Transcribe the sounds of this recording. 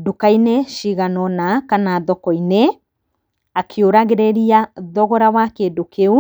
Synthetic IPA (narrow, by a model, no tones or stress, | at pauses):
dukaineʃiɣanɔnakanaðɔkɔine | akʰeoɾaɣeɾeɾiaðɔɣɔɾawakedokeu